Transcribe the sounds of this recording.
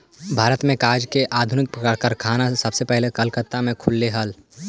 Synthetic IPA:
bʱaːɾət̪mẽkaːd͡ʒkeʔaːd̪ʱʊnɪk̚pəkaɾkaɾkʰaːnasɐbsepɛɦlekəlkət̪ːamẽkʰʊlːeɦəl

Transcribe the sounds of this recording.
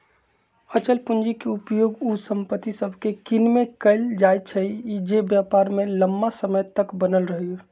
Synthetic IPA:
ət͡ʃəlpund͡ʒikeupjoːɡusə̃mpət̪isəbʱkekinmekəɪld͡ʒajt͡ʃʰəiid͡ʒebjapaɾmẽləmbasəməjt̪əkbənəlɾəɦio

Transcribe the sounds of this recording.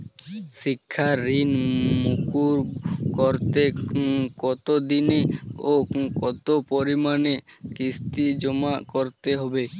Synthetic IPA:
ʃikʰːaɾinmukuɾkɔɾt̪ekɔt̪od̪ineokɔt̪opɔɾimanekist̪id͡ʒɔmakɔɾt̪eɦɔbe

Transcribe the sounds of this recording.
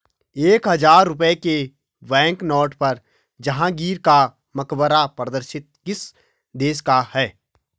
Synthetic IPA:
eːkɦɐzaːɾːʊp̬eke | bɛ̃ːŋknɔːʈpɐɾ | d͡ʒɐɦãɡiːɾka | mɐkbəɾapɾəd̪əɾʃɪt̪̚kɪs | d̪eːʃkahɛː

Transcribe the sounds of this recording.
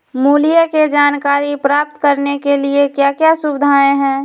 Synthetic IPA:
muːlijəked͡ʒaːnkaːɾipɾaːp̚t̪kəɾnekeliekjakjasʊbɪd̪ʱaːẽɦɛ̃ː

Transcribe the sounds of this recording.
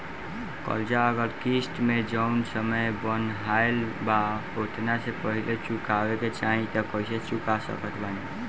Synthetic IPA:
kə̰ld͡ʒaəɡəlkisʈmed͡ʒəʊnsəməjbənɦaelba | ot̪ʰnasepəɦilet͡ʃukabeket͡ʃaɦĩt̪əkəiset͡ʃukasə̰kət̪ʰbani

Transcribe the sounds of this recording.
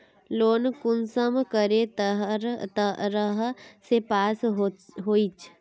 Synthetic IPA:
loːnkʊnsəmkəɾet̪ɦt̪əɾəɦsepaːsɦɦoːit͡ʃʰ

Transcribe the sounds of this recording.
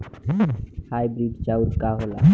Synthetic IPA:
hajbɾiɖt͡ʃauɾkaɦola̰

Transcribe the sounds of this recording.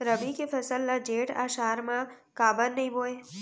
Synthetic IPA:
ɾəbikefəsəlːad͡ʒeʈa̰ʃaɾmã | kabənːəɦĩboe

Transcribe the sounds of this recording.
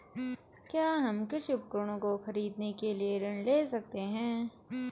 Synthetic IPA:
kjaːɦɐmkɪʃɪp̚kəɾɽ̃õkoxɐɾiːd̪nekelieɾɐɳleːsɐk̚t̪eɦɛ̃ː

